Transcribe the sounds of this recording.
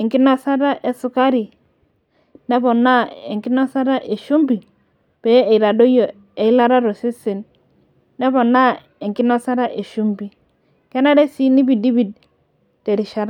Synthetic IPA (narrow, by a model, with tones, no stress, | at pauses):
e˨ŋki˦na˦sa˦ɾa˦ʔe˨su˨ka˦ɾi˨ | ne˦bo˨na˦ḛ˨ŋki˦no˦sa˦ɾa˦ʔe˨ʃu˦mbi˨ | pe˨˦e˨i˨ɾa˨do˦jo˨ | e˨i˦la˦ɾa˦ɾo˨si˦se˨nː | e˦βo˨nːa˦ | e˨ŋki˦no˦sa˦ɾa˦ʔe˨ʃu˦mbi˨ | ke˦na˦ɾe˦si˦ni˦bi˨di˦bi˦˨d̚ | te˨ɾi˨ʃa˦ɾa˦